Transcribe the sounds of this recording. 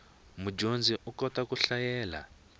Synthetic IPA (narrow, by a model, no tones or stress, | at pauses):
mud͡ʒond͡ziʔukɔtakuɬajɛːla̰